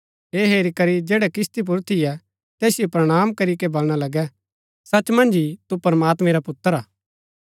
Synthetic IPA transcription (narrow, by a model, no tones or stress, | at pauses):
ɦeːɦeːɾikɐɾid͡ʒeːɽɛkɪst̪ip̬ʊɾt̪ʰijɛ | t̪ɛːsɪjopɾɐɽ̃aːmkɐɾikebɐlɽ̃alɐɡɛ | sɐt͡ʃmɐ̃nd͡ʒit̪upɐɾəmaːt̪mɛ̃ɾapʊt̪ːəɾaː